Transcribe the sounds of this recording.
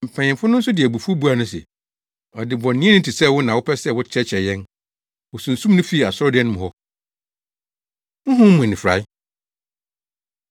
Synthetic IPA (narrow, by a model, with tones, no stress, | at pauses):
m̩˨pʰɛ̃˨ɲɪ̃˨mfʊ˦nʊ̃˦n̩˦sʊ˦dɪ˨æ˨bu˨fo˦bu˦a˨nʊ̃˦sɛ̰˨ | ɔ˨dɪ˨bɔ̃˨nːĩ˦ɛ̃˦nʊ̃˦tʰi˨sɛ˦˨wʊ˦nã˨wʊ˦pʰɛ˦sɛ˦˨wʊ˦t͡ɕʰɛ˦t͡ɕʰɛ˨jɛ̃˦n | wʊ˨sũ˨n̩˨sũ˦mnʊ̃˦fi˦˨a˨sʊ˦ɔ˦dɪ˨˦ɛ˦nʊ̃˦mʊ̃˨ɔ˦ | ʊ̃˦ɦʊ̃˦m˦mʊ̃˨nɪ̃˨fɾa̰˨˦ɪ˦